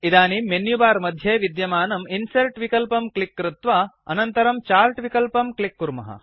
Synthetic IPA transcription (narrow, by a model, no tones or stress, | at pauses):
id̪aːnimenjubaːɾmɐd̪ʱjeːʋid̪jɐmaːnɐminsɐɾʈʋikɐlpɐmklikːɾut̪ʋaɐnɐnt̪ɐɾɐmt͡ʃaːɾʈʋikɐlpɐmklikːuɾmɐ̰ɦɐ̰